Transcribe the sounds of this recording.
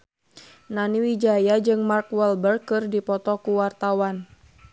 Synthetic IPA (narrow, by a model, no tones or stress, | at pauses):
naniwid͡ʒajad͡ʒɨŋmarkwɛlbərkɨrdipɔt̪ɔkuwart̪awan